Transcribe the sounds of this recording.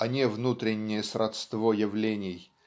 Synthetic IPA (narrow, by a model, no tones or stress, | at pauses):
ɐnʲevnut̪ɾʲɪnʲːɪjəsɾʔɐt̪st̪vojɪvlʲenʲɪj